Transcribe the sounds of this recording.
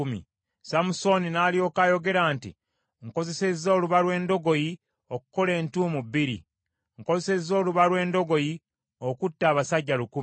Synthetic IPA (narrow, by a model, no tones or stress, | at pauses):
mḭ | samuso̞ninaːlio̞ːkajo̞ɡe̞ɾaːntḭ | ŋko̞ze̞se̞zːo̞ːluβalwe̞ːndo̞ɡo̞ji | oku̥ko̞le̞ːntuːmubːiɾḭ | ŋko̞zse̞zːo̞ːluβalwe̞ːndo̞ɡo̞ji | okutːaːβasaɟːaluku